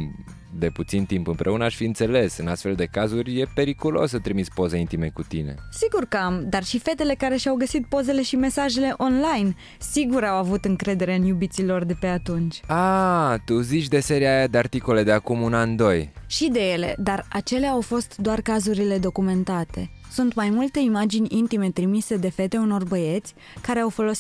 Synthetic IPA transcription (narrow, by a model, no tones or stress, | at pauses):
d̪e̞put̪sint̪impɨmpɾʔe̞unəaʃʲfiɨnt̪se̞le̞sɨnast̪fe̞ld̪e̞kazurʲje̞pe̞ɾikulo̞̰sət̪ɾimispo̞zeint̪ime̞kut̪ine̞̰siɡurkəamd̪arʃife̞t̪e̞le̞kaɾe̞ʃawɡəsit̪̚po̞ze̞le̞ʃime̞saʒe̞le̞ʔo̞nlajn | siɡuɾawavut̪ɨŋkɾe̞d̪e̞ɾe̞ɨnjubit̪silo̞rd̪e̞pe̞at̪unt͡ʃʲat̪uzit͡ʃʲd̪e̞se̞ɾiajad̪eart̪ikole̞d̪eakumunand̪o̞jʃid̪e̞je̞le̞̰d̪arat͡ʃe̞leaːwfo̞st̪d̪oarkazuɾile̞d̪o̞kume̞nt̪at̪e̞ | sunt̪majmult̪e̞imad͡ʒinʲint̪ime̞t̪ɾimise̞d̪e̞fe̞t̪e̞uno̞rbəje̞t̪sʲ | kaɾe̞awfo̞lo̞si